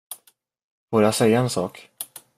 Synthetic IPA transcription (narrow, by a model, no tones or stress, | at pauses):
foːɾasɛjːaɛnsɑ̰ːk